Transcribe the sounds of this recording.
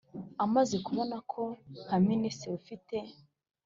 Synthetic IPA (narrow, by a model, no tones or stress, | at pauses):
amazekuβo̞nakʰohaminisɾeufite